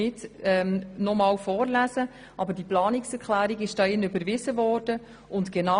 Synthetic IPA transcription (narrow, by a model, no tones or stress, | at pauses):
ɪtɛmnɔmɑːwfɔːɾlæzə | ʔɑbəɾdiplɑːnɪksɛɾkχlæːɾiɡɪʃd̥ɑːɪnøbəɾvɪzəvɔːrd̥ə | ʊntɡ̥enɑ